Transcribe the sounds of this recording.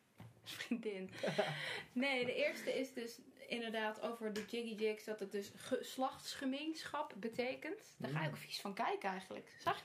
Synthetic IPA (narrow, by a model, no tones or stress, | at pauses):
spriŋdɪn | nejdəʔɪːɹstəɪsdøsɪndəɹdaːtʰowvəɹdəd͡ʒɪɡid͡ʒɪksdɔtət̚døsχəslɑχtsχəmejnsχɑpbətʰejkəntd̥əɹxaːjokfi̥sfɔnkɛjkəɛjχəndlə̰ksa